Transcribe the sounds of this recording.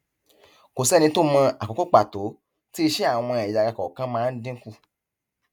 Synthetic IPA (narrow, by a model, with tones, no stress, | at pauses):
ko˨sɛ˦˨nĩ˧˦to˦mã˧a˨ko˨ko˦k͡pa˨to˨˦ | ti˦i˧ʃɛ˦a˦˨w̃ɔ̃˧ɛ˨a˨ɡa˧kɔ˨kã˦mãː˦˧n̩˦dĩ˦ku˦˨